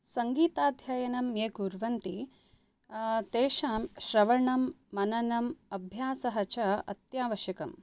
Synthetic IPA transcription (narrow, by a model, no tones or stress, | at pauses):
sɐŋɡiːt̪aːd̪ʱjɐjɐnɐmjeːkuɾʋɐnt̪i | t̪eːʃaːmʃɾɐʋɐɳɐmːɐnɐnɐmɐbʱjaːsɐɦɐt͡ʃɐɐ̰t̪jaːʋɐʃjɐkɐm